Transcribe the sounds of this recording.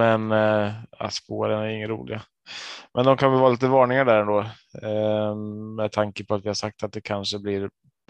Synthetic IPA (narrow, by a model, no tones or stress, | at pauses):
ɛn | a̰spoːɾənæɾɪŋːəɾṵːlɪ̰ɡa | mʔɛnd̪ɔmkʰanvɛlvɑːliːt̪əvɑːɳɪŋaɖæːɾɛnd̪oː | mɛd̪t̪ʰaŋkəpʰɔat̪vɪhaʂak̚t̪at̪̚d̪ɛkʰanʂəblɪɾ